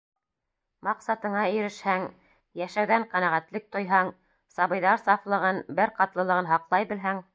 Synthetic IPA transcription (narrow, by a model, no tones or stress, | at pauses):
mɑqsɑt̪ɤ̆ɴɑɵ̆ɾɘ̆ʃhæŋ | jæʃæwðæɴqænæʁæt̪lɘk̚t̪ŏjɦɑŋ | sɑβɤ̆jðɑɾsɑflˠɤ̆ʁɤnbɘɾqɑt̪lˠɤ̆lˠɤ̆ʁɤnɦɑqlˠɑjbɘ̆lɦæŋ